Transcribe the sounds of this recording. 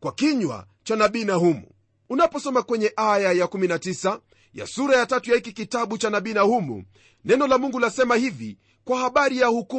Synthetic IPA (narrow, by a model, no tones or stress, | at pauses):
kwakiɲwa̰ | t͡ʃanaɓinahumṵ | unapɔsɔmakwɛɲɛʔajajakuminatisa | ja̰suɾajatatujahikikitaɓut͡ʃanaɓinahumṵ | nɛnɔlamuŋɡulasɛmahivi | kwahaɓaɾijahuku